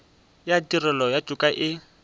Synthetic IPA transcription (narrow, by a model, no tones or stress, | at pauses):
jatʼirɛlɔjḁʒ̥ʼukʼaʔɪ